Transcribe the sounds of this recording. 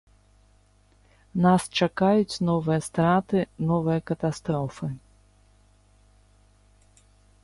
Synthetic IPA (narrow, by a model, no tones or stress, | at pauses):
nast͡ʂakajut͡sʲnɔvɨjɐst̪ɾat̪ɨnɔvɨjɐkɐt̪ast̪ɾɔfɨ